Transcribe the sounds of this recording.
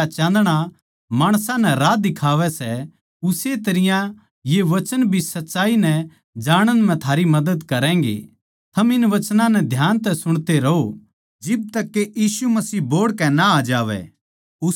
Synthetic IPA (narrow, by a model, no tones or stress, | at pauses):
at͡ʃãːnd̪ɽ̃a | maːɽ̃sãnɛɾaːd̪ɪkʰaːʋɛsɛ | ʊset̪ɐɾɪjã | jeʋɐt͡ʃənbʱisɐtːʃaːinɛ | d͡ʒaːɽ̃ənm̤ɛ̃t̪ʰaːɾimɐd̪əd̪kɐɾɛ̃ːŋɡḛ | t̪ʰɐmɪnʋɐt͡ʃnãnɛd̪ʱjaːnt̪ɛsʊɽ̃t̪eɾɐɦo | d͡ʒɪb̚t̪ɐkːejiːsumɐsiːboːɽkɛ̃naaːd͡ʒaːʋɛ̰ | ʊ